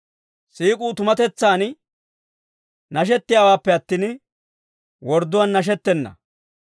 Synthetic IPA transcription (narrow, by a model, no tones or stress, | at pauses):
siːkʼuːt̪ʊmɐt̪ɛt͡sːaːn | nɐʃ̬ɛt̪ːɪjaːwaːpːɛɐt̪ːiːn | wɔɾd̪ʊwanːɐʃ̬ɛt̪ːɛnːɐ̰